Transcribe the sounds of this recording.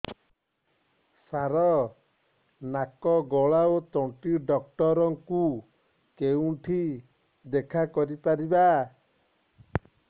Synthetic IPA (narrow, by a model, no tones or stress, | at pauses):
saɾɔ | nakɔɡɔɭaot̪ɔɳʈiɖɔk̚ʈɔɾɔŋku | kewũʈʰi | d̪ekʰakɔɾipaɾiba